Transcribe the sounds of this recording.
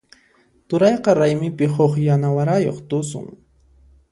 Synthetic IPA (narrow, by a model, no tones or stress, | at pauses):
t̪ʊɾɑjqɑɾajmɪpɪhoχjanawaɾajo̰χt̪ʊsʊ̰ŋ